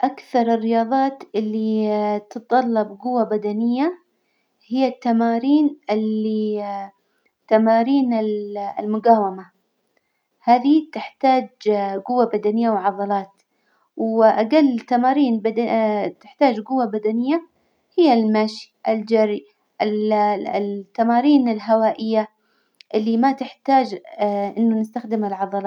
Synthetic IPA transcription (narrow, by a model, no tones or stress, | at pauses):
ʔakθɑɾˤɪrːɪjɑːðˤɑːt̪ʔɪlːit̪ɨtt̪ˤːɑlːɑbɡʊwːabad̪anɪjːa | hɪjːat̪ːamaːɾiːnʔɪlːi | t̪amaːɾiːnɪlɪ̰lmʊɡaːwama | haːðit̪ɪħt̪aːd͡ʒɡʊwːabad̪anɪjːawʕɑðˤɑlɑːt̪ | wʔaɡalːɪt̪ːamaːɾiːnbat̪ɪħt̪aːd͡ʒɡʊwːabad̪anɪjːa | hɪjːalmaːʃi̥ʔɪld͡ʒaɾi | ʔɪllt̪ːamaːɾiːnɪlɦawaːʔɪjːa | ʔɪlːimat̪ɪħt̪aːd͡ʒʔɪnːʊnɪst̪axd̪ɪmɪlʕɑðˤɑlɑː